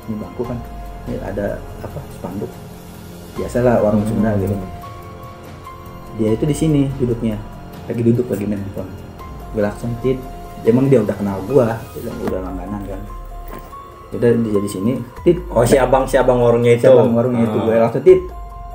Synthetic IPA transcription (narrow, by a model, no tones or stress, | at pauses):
nibaŋkukan | ḭa̰da̰apasə̥pandʊk̚ | b̥iasalawaɾʊŋsuməɾaɡit̪u | diait̪udisinidudʊk̚ɲa | laɡidudʊk̚laɡimenaŋt̪ɔn | ɡilaŋsʊŋt̪ɪt̪̚ | emaŋdiaudahkənalɡuat̪uda̰ŋṵdahlaŋɡanankan | udadid͡ʒadisinit̪ɪt̪̚osiabaŋsiabaŋwaɾʊŋɲait̪aubaŋwaɾʊŋɲait̪uɡulaŋsʊŋt̪ɪt̪̚